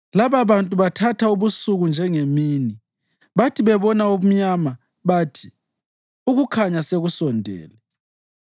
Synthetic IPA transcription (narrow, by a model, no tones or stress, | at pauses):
laβaβantʼuβatʰatʰauβusuɣund͡ʒʱɛŋemiːni | βatʰiβɛβɔnaum̩ɲama | βaːtʰi̥ | uɣukʰaɲaseɣusɔndʱɛ̰ːlɛ